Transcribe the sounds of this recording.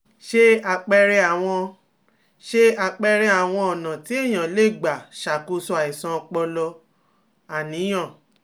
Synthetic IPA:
ʃe˦a˧k͡pɛ˧ɾɛ˧a˨w̃ɔ̃˧ | ʃe˦a˧k͡pɛ˧ɾɛ˧a˨w̃ɔ̃˧ɔ˨nã˨ti˨˦e˦˨j̃ã˨le˨˦˨ɡ͡ba˨ʃa˨ku˧˦sɔ˧a˨i˨sã˧k͡pɔ˧lɔ˧ | a˨nĩ˨˦j̃ã˦˨

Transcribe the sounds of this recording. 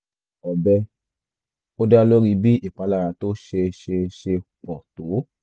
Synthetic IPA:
ɔ˨bɛ˧ | o˦da˦lo˦ɾi˧bi˦i˨k͡pa˨˦la˦˧˨ɾa˧to˦ʃe˧ʃe˧ʃe˧k͡pɔ˨to˨˦

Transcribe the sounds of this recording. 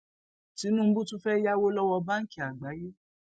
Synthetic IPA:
ti˨˦nũ˦m̩˦bũ˦tũ˦fɛ˦ja˦wo˦lɔ˦wɔ˧ba˦ŋ̩˦ki˦˨a˨ɡ͡ba˨˦je˦

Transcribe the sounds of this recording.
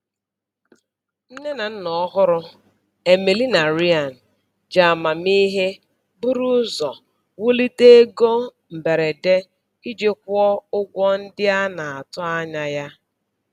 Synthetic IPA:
n̩˦ne˦na˨n̩˦nɔ˨˦ɦʊ˦ɾʊ˦ | e˨me˨li˦na˨ɾi˦a˨n̩˨ | d͡ʒa˨a˨ma˨mi˦ɦe˦ | bʊ˦ɾu˦ʊ˦zɔ˨ | wʊ˦li˦te˦e˦ɡo˦ | m̩˨be˨ɾe˨de˦ | i˦d͡ʒe˦k̚ʷʊ˦ɔ˦ʊ˦ɡʷɔ˦n̩˦dɪ˦a˦na˨a˨tʊ˦a˦ɲa˨ja˦

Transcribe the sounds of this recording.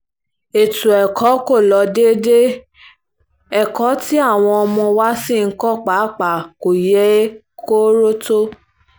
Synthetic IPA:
e˨tu˨ɛ˨kʰɔ˨˦ko˦˨lɔ˨˧˦de˦de˦ | ɛ˦˨kɔ˨˦ti˦a˦˨w̃ɔ̃˧ɔ˧mɔ̃˧wa˦sĩ˦˨ŋ̩˦kɔ˦k͡pa˨˦k͡pa˨ko˨jɛ˨˦ | ko˦ɾo˦to˦

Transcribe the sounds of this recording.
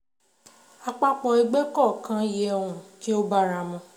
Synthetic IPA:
a˧k͡pa˦k͡pɔ̃˧i˧ɡ͡bɛ˦kɔ˦˨kã˦je˧ɛ˧wũ˨ki˦o˦ba˦ɾa˧mɔ̃˧˦

